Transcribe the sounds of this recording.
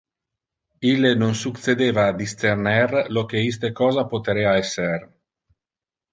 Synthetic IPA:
ilenonsuk̪sed̪eːvaːd̪ist̪ernɛrlok̟eis̬t̪ekɔːzapot̪eɾɛaɛsːer

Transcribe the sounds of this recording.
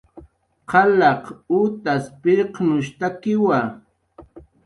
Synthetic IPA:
qɑlɑqut̪aspɪɾqnʊʃt̪akɪwa

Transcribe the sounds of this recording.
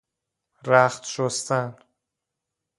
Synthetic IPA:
ɾæχt̪ʃost̪æn

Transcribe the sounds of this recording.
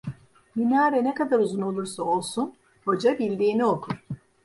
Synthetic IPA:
minaːɾɛnɛkad̪aɾuzuno̞lˠuɾsao̞lˠsun | ho̞d͡ʒabilʲd̪iːnio̞kʰuɾ̥

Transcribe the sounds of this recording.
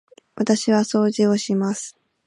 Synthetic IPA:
βʔat̪aɕiβaso̞ːʑio̞ɕimasɨ̥

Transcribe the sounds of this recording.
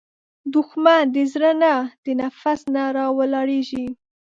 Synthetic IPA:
d̪ʊxmand̪əzɾənad̪̥ənafasnaɾɑwalɑɽeʒi

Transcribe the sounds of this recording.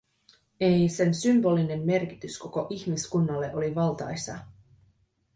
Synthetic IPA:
e̞jse̞nsymbo̞ːline̞mːe̞rki̥t̪ysko̞ko̞ʔiçmiskunːɑlːe̞ʔo̞liʋɑlˠt̪ɑ̰jsɑ̰

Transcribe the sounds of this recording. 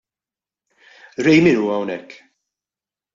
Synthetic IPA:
ɾɛjmɪnuːɐwnɛkː

